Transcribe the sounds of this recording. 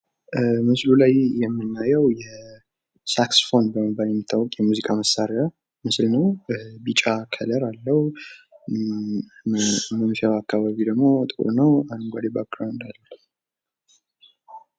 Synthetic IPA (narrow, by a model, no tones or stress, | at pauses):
mɨslulajjɛmːɨnːajɛwjɛ | saksfo̞nbəməbaljɛmːit̪ʰːawːɔkʼjɛmuzikʼaməsːaɾɾa | mɨslnəwbit͡ʃʼakʰələɾalːəhu | mənfiaβakʰːaβaβid̪əɡmo̞t̪ʼɨkʼṵɾnəwanɨɡʷad̪ebak̚ɡɾawnd̪alːəlː